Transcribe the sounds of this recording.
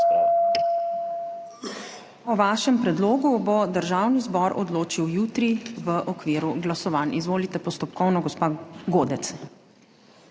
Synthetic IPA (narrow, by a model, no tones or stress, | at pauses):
ɔʋaːʃɛmpɾɛd̪loːɡubɔd̪əɾʒaːwnizbɔɾɔd̪loːt͡ʃiwjuːt̪ɾiʋəʔɔkʋiːɾuɡlasɔʋanizʋoːlit̪ɛpɔst̪ɔpkɔwnɔɡɔspaːɡoːd̪ɛt̪s